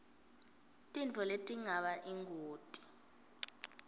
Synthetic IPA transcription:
tʼint͡fʰɔletʼiŋaɓaʔiŋɡʱoːtʼi̥

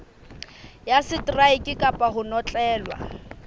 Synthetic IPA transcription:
jasɪtraikʼɪkʼapʼaɦʊnɔt͡ɬʼɛːlwa̰

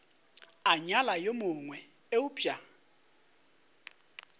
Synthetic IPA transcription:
aɲalajomʊŋwɛ | eʊpʼa

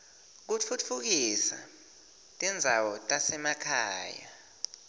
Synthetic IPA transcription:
k̬ufutfuk̬isa̰ | tʼɛnd͡zʱawɔtʼasɛmakʰa̰ːja̰

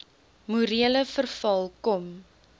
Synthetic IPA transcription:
muɾiələfərfɐlˠkɔm

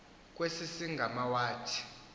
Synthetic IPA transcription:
k̬ʼwesisiŋɡʱamawaːtʰi̥

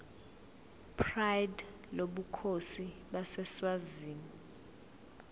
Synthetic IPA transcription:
pʰrajd | loɓukʰosiɓasɛswaziːmii

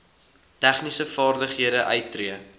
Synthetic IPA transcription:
tæχnisəfɑːrdəχɦiədəʔœɥtːriə

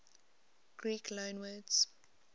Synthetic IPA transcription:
ɡ̥ɹiːkʰlõːnwəːdz̥

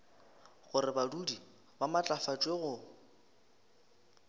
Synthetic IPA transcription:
ɣʊɾɪbadudi | bamat͡ɬʼafat͡ʃʼweɣʊ

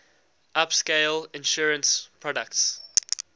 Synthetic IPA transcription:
ʔapskeɪlɪ̃nʃuːɹə̃nspʰɹ̥ɔdək̚ts

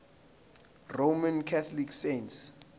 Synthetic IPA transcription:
romankʰat̪ʰɔlikʰsents

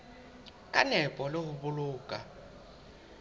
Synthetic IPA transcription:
kʼanɛpʼɔlehuɓuluːkʼa

